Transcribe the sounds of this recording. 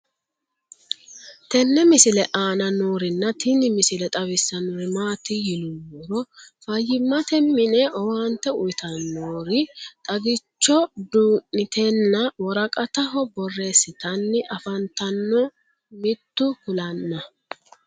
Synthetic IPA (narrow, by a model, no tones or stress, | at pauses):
t̪ɛnːɛmɪsɪlɛʔaːnɐnoːɾɪnːɐt̪ɪnɪmɪsɪlɛt̪ʼɐβɪsːɐnʊɾɪmaːt̪ɪjɪlʊwɔɾɔfɐjːɪmːɐt̪ɛmːɪnɛʔɔwaːnt̪ːɛʊjt̪ʰɐnːoːɾɪt̪ʼɐɡɪt͡ʃːɔd̪uːʔɪt̪enːɐwɔɾɐkʼɐt̪ɐɦɔbɔrːe̞ːsːɪt̪ɐnːɪʔɐfɐnt̪ɐnːɔ | mɪt̪ːʊkʊlɐnːɐ